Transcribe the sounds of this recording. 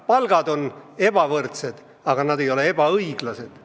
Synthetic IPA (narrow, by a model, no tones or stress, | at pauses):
pɑlɡ̥ɑd̪o̞ne̞b̥ɑvɤrt̪se̞d̪̥ | ɑɡ̥ɑnɑd̪e̞jo̞le̞e̞b̥ɑɤijɡ̥lɑse̞d̪̥